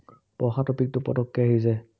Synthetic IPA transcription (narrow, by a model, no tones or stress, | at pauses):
pɔxatɔpik̚tʊpɔ̰tɔkːiaɦizɛ